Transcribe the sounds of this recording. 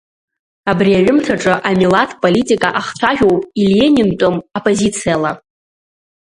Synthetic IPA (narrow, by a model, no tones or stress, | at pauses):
abriaɥᶣʊmtʰaʈ͡ʂʼɨʔamilatʰpʼolitʼikʼaʔaχt͡ɕʷʰaʒʲᶣowpʼiljenintʷʼomapʼozit͡sʰijala